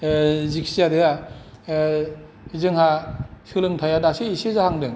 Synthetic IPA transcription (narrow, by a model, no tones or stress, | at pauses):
ziksijadɯa | zɯŋhasɯlɯŋtʰajadasiːsezahaŋdɯŋ